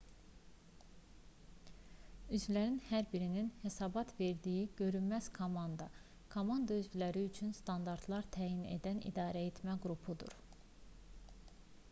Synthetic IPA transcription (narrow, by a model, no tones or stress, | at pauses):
yzvlæɾinhæɾbiɾininhe̞sɑːbɑt̪ʰve̞ɾd̪ijiɟ̥ø̞ɾynmæz̥kʰomɑnd̪ɑ | kʰomɑnd̪ɑyzvilæɾiyt͡ʃʰynst̪ɑnd̪ɑɾt̪ʰlˠɑɾt̪ʰæːjine̞̰d̪ænḭd̪ɑːɾæet̪ʰmæɡɾupʰud̪ṵɾ